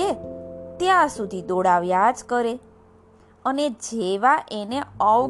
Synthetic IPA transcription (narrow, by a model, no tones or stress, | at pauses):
et̪jãsud̪ʱid̪oɽaʋjad͡ʒkəɾe | əned͡ʒeʋaʔeneəʋ